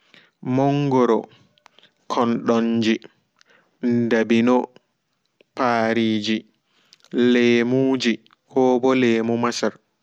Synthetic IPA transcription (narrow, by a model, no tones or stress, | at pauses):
mɔŋɡɔɾɔ̰ | kʰɔnɗɔɲd͡ʒi | ndabinɔ | paːɾiːd͡ʒi | leːmuːd͡ʒi | hɔːbɔleːmumasaɾ